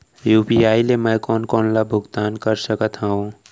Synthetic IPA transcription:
jupiaːileməjkɔːnkɔːnlabʱʊɡt̪aːnkəɾsəkət̪ɦãũ

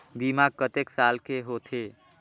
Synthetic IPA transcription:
bimaɡ̚kət̪eksalkʰeɦot̪ʰe

